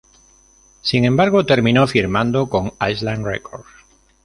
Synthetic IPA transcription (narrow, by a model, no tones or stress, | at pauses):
siŋẽmbaɾɣ̞o̞t̪e̞ɾmĩno̞fiɾmãnd̪oko̞ŋajslanrḛkʰoɾ